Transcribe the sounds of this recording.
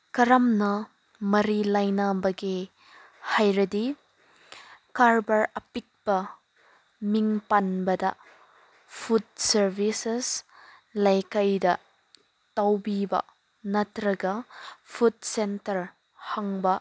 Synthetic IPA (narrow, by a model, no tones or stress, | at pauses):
kɐɾɐmnɐ | mɐɾilajnabɐɡe | hajɾɐdi | kaɾbɐɾɐpik̚bɐ | miŋpanbɐdɐ | pʰut̚sɐɾbises | lajkajdɐ | tɐwbibɐ̰ | nɐtɾɐɡɐpʰut̚sentɐɾ | hɐŋbɐ